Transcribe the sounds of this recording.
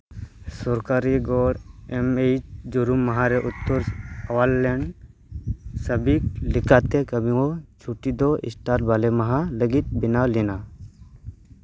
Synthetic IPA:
sɔɾkaɾiɡɔɽɛmet͡ʃd͡ʒuɾumːaɦaɾɛʔut̪ːɔɾawallɛɳɖ | səbik̚likat̪ɛkəbʱĩwɔt͡ʃʰuʈid̪ɔʔḭsʈaɾʈ̚balɛmaɦaləɡit̪̚binalina

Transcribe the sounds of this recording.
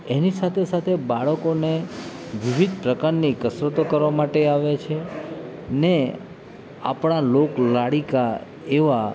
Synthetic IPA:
enisat̪ʰesat̪ʰebaɭəkone | ʋiʋʱid̪̚ʱpɾəkaɾnikəsɾət̪okəɾʋamaʈeaʋet͡ʃʰe | ne | a̰pɳ̃aloklaɽika | eʋa

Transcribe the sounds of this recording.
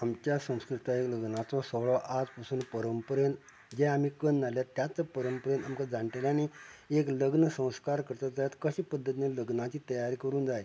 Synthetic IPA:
amt͡ɕjasə̃w̃skɾit̪aekləɡnat͡sɔsəɭɔʔad͡zpasuːnpəɾəmpəɾen | d͡ʑɛam̤iːkənːaljat̪jat͡sapəɾəmpəɾenamkad͡zaɳʈelaniekləɡnəsə̃w̃skaɾkəɾt̪ad͡zajat̪kəɕiːpəd̪ʱːət̪ineləɡnat͡ɕiːt̪əjaɾiːkəɾuːnd͡zaj

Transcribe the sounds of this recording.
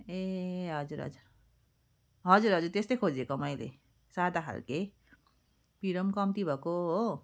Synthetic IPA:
eɦʌd͡ʒuɾɦʌ̰d͡zuɾ | ɦʌd͡zuɾɦʌd͡zuɾt̪est̪ʌjkʰod͡ʒekɔmʌjlḛ | sad̪aɦa̰lke | piɾʌmkʌmt̪ibʱʌko

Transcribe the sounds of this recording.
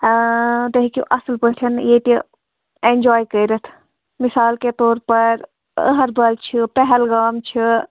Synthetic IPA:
d̪əɦikḭʔɐsəlpəɦʈ̪ʰɐnjeːt̪i | end͡ʒaːjkəiɾət̪ʰ | mɪsaːlket̪oːɾpɐɾ | ə̰ɦɐɾbɐlt͡ʃʰipɛɦɛlɡaːmt͡ʃʰi

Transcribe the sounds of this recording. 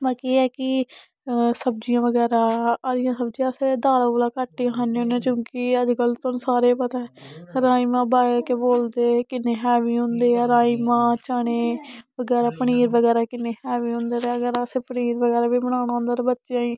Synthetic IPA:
mãːkeːɛːkɪ | səb̚d͡ʒijãːʋəɡɛːɾaːɾɪjãːsəbd͡ʒijãːəseːd̪aːɾaːboːlaːkaʈːiːkʰãːneõːnːt͡ʃjõːkɪəd͡ʒkəlt̪ʊnsaːɾeːpət̪aːɛɾaːiːmãːbaːekeboːld̪eːkɪneːɦɛːʋiːɦʊ̃nd̪eːəɾaːiːmãːt͡ʃaːɽ̃eːʋəɡɛːɾaːpəɳiːɾʋəɡɛːɾaːkɪneːhɛːʋiːɦʊ̃nd̪eːɾeːəɡəɾseːpəniːɾʋəɡɛːɾaːbiːbəɽ̃ãːnaːʊ̃nd̪aːɾbətːʃjãːĩː

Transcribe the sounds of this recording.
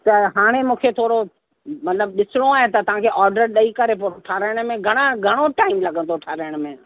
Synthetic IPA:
t̪ɐɦaːɽ̃emũːkʰet̪ʰoːɾo | mɐt̪ləbɗɪsɪɽ̃oaːɦẽt̪ɐt̪ɐʋ̤ãkʰeʔɔːɾɖəɾɗɐikɐɾep̬oːɾoʈʰaːɾəɪɽ̃mẽɡʱɐɽ̃aɡʱɐɽ̃oʈaːɪmlɐɡʱə̃nd̪oʈʰaːɾəəɽ̃mẽː

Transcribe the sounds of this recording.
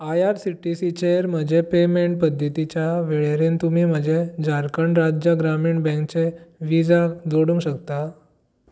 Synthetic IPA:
ajaɾsiʈisit͡ɕeəɾm̤əd͡ʑʱepemeɳʈ̚pəd̪ʱːət̪it͡ɕjaʋeɭeɾent̪umiːm̤əd͡ʑed͡zaɾkəɳɾad͡ʑjəɡɾamiːɳbɛ̃ŋk̚t͡seʋid͡zald͡zoɽũŋɡɕəkt̪a

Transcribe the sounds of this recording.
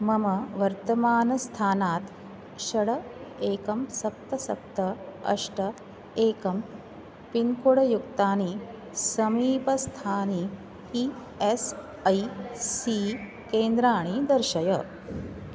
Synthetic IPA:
mɐmɐʋɐɾt̪ɐmaːnɐst̪ʰaːnaːt̪ | ʃɐɽɐeːkɐmsɐp̚t̪ɐsɐ̰p̚t̪ɐɐ̰ʂʈɐ | eːkɐm | pinkuɽɐjukt̪aːni | sɐmiːpɐst̪ʰaːni | i | es | ɐjːi | keːnd̪ɾaːɳ̃id̪ɐɾʃɐjɐ

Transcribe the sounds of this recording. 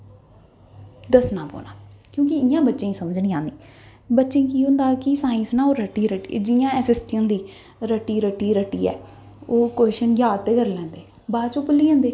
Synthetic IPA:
d̪əsnaːpo̰ːna̰ːkjõːkɪɪjãːbətːʃẽːĩːsəməd͡ʒnĩːãːnd̪iː | bətːʃẽːkiːɦʊ̃nd̪aːkɪsaːɪ̃nsnaːoːɾəʈːiːɾəʈiːd͡ʒɪjãːɛːsɪsʈõːd̪iː | ɾəʈːiːɾəʈːiːɾəʈːiːɛ̰ː | oːkweːʃənjaːt̪ːeːkəɾlɛ̃ːnd̪eː | baːt͡ʃopəlːiːɦɛ̃ːnd̪eː

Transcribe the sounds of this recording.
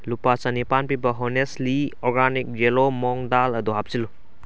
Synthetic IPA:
lupat͡ʃɐnipanpibɐɦonesliɔɾɡanik̚d͡ʒelomɔŋdalɐduɦap̚silu

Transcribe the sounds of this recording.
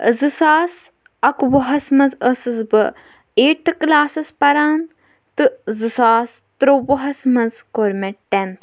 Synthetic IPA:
zɨsaːs | ɐkʋɐɦɐsmɐnzəsɨzbɨ | eːʈʰklaːsɐspɐɾaːn | t̪ɨzɨsaːs | t̪ɾowɐɦɐsmɐnzkoɾmeʈent̪ʰ

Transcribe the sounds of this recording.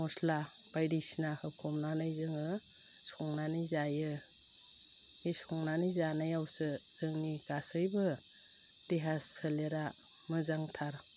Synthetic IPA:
mɔsla | b̥ajɾisinakʰɯkʰɔmnanajzɯŋɯ | sɔŋnanizajɯ | esɔŋnanizanajawsɯz̥ɯŋniɡasɯjbɯ | d̥eɦassɯleɾa | mɯzaŋtʰaɾ

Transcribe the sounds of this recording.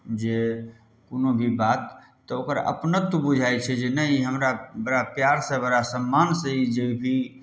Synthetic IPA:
d͡ʒe | konobʱibat̪ː | ɔokəɾə̰pnət̪ːubud͡ʒʱajt͡ʃʰɛd͡ʒenəiɦəmɾabəɾapjaɾsə̃bəɾasəmːansə̃id͡ʒeibʱi

